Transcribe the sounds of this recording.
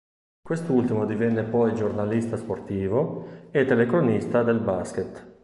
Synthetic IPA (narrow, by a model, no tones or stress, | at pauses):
kwest̪ult̪imod̪ivɛnːepɔjd͡ʒornalist̪asport̪iːvoet̪ːelekɾonist̪ad̪elbask̟et̪